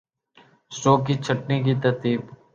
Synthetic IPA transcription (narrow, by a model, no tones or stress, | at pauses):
soːkit͡ʃʰəʈnikit̪əɾt̪iːb